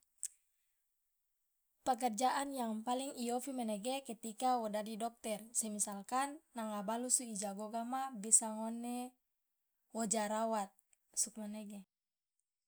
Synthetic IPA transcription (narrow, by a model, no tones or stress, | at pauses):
pək̬ɛrd͡ʒaʔanjaŋpaliŋijofimanɛɡekɛt̪ikawɔdadidɔk̚t̪ɛrsɛmisalkanːaŋabalusuid͡ʒaɡoɡamabisaŋɔnɛ | wod͡ʒaɾawat̪̚ | suk̚manɛɡɛ